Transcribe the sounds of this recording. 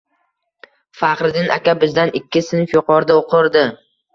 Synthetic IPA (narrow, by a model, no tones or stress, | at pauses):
fɑqɾɪd̪ɪnʔa̰kʲʰabɪzd̪anʔɪkʲːɪsɪnfjoqɒɾd̪aoqʰɨɾd̪ɪ